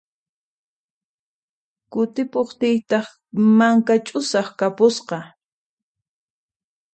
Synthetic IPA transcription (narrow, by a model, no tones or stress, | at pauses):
kʊt̪ɪpoχt̪ɪjt̪ɑχ | maŋkat͡ʃʼʊsɑχkapʊsqɑ